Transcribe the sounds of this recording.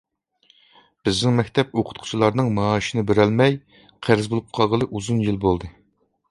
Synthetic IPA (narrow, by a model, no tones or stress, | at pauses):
b̥ɪznɪŋmɛkʲt̪ʰɛp̚oqʰʊ̥t̪qʰʊ̥t͡ʃʰilˠɑɾnɨŋmɑːʃinɨbeɾælmɛj | qʰæɾɪzbolˠup̚qʰɑlˠʁəlˠɨʔuzunjilˠbolˠd̪ɨ